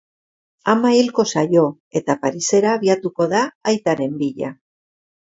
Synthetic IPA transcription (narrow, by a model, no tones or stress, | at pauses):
amailko̞sajo̞ | e̞t̪apaɾise̞ɾaːβiat̪uko̞ðaːjt̪aɾe̞mbiʎa